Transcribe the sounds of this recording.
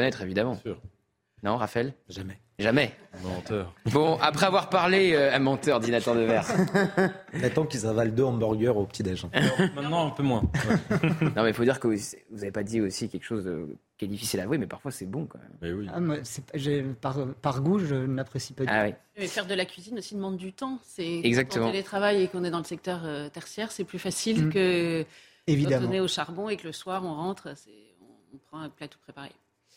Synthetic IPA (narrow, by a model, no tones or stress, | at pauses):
kɔnɛt̪χevid̪amɑ̃syːʁ | nɔ̃ʁafɛlʒamɛ | ʒamɛ̃mɑ̃t̪œʁbɔ̃apχɛavwaʁpaʁleøamɑ̃t̪œʁd̪inat̪œʁd̪əvɛʁ | mɛt̪ɑ̃kilzɑ̃vald̪øɑ̃bɔʁɡœʁopət̪id̪aʒɑ̃mɛ̃t̪nɑ̃ɛ̃pømwɛ̃wnɔ̃mɛifod̪iʁkəsɛvuzavepad̪iosikʲɛlkʃozd̪ə̰kalifisilavwemɛpaʁfwasɛbɔ̃kwa̰mɛwiamwasɛpʒɛpaʁpaʁɡuʒənapχesipad̪a̰wi | mɛfɛʁd̪əlakʲɥizinosid̪əmɑ̃d̪ːyt̪ɑ̃sɛɛɡzak̚t̪əmɑ̃elet̪χavajekɔ̃nɛd̪ɑ̃ləsɛk̚t̪œʁøt̪ɛʁsjɛʁsɛplyfasilkə | eviktd̪amɔ̃nɛoʃaʁbɔ̃ekləswaʁɔ̃ʁɑ̃t̪χsɛ | ɔ̰̃pχɑ̃ɛ̃plat̪o̥pχepaʁḛ